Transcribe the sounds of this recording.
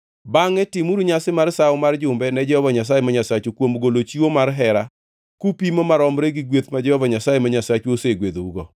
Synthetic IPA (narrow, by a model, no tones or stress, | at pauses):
baŋɛtɪmuɾuɲasɪmarsaʊmard͡ʒʊmbɛnɛd͡ʒɛhɔvaɲasajemaɲasat͡ʃukwomɡolot͡ʃiwomarɦɛɾa | kupimomaɾɔmɾeɡiɡwet̪mad͡ʒɛhɔvaɲasajemaɲasat͡ʃuoseɡwed̪ouɡɔ̰